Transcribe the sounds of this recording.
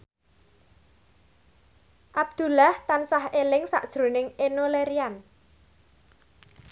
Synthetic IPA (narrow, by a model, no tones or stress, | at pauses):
ʔab̚d̪̥ṳlaht̪ansaɦelɪŋsa̰ʔd̥ʒ̥ɾo̤nɪŋenoleɾian